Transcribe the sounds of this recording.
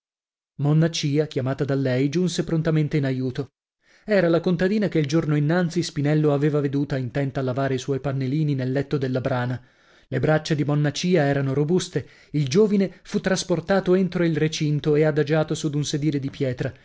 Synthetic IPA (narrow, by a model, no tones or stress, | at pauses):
monːat͡ʃiːakʲjamaːt̪ad̪alːɛjd͡ʒunsepɾont̪ament̪einajuːt̪o | ɛːɾalakont̪ad̪iːnakeild͡ʒornoinːant̪sispinɛlːoaveːvaved̪uːt̪aint̪ɛnt̪alavaːɾeiswɔjpanːeliːninelːɛt̪ːod̪elːabɾaːna | lebɾat͡ʃːad̪imonːat͡ʃiːaɛːɾanoɾobust̪e | ild͡ʒoːvinefut̪ːɾasport̪aːt̪oent̪ɾoilret͡ʃint̪oead̪ad͡ʒaːt̪osud̪unsed̪iːled̪ipjɛːt̪ɾa